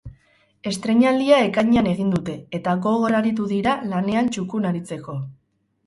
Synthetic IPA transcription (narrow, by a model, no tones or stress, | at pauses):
e̞st̪ɾe̞ɲald̪iae̞kaɲeane̞ɣind̪ut̪e̞ːt̪aɣo̞ɣo̞ɾaɾit̪̬uðiɾalane̞ant͡ʃukunaɾit͡se̞ko̞